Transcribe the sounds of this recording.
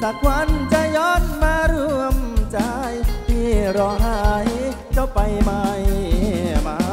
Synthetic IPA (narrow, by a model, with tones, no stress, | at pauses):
saː˧˩k̚ʰwa˧˥nt͡ɕa˧jɔː˧˥t̚maː˧ɾu˧əmt͡ɕa˧˩jt̪ʰiː˧˩ɾɔː˧ɦa˧˩j | t͡ɕa˧˩pa˧jmaː˧j | maː˧